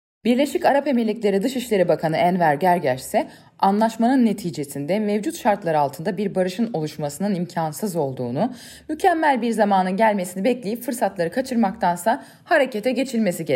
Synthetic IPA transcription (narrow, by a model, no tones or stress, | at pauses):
biɾlʲe̞ʃicaɾape̞melʲːiclʲe̞ɾid̪ɯʃiʃlʲe̞ɾibakʰanɯænvæɾɟæɾɟæɾʃsɛ | anlˠaʃmanɯnːe̞t̪ʰiːd͡ʒe̞sind̪ɛmevd͡ʒut̪ʃaɾt̪lˠaɾɯalˠt̪ʰɯnd̪abiɾbaɾɯʃɯno̞lˠuʃmasɯnɯnimcʰansɯzo̞lˠd̪uːnu | mycʰæmːælʲbiɾzamaːnɯnɟælʲme̞sinibɛclʲejipfɯɾsat̪lˠaɾɯkʰat͡ʃʰɯɾmak̚t̪ʰansa | haɾe̞cet̪ʰɛɟe̞t͡ʃʰilʲme̞siɟe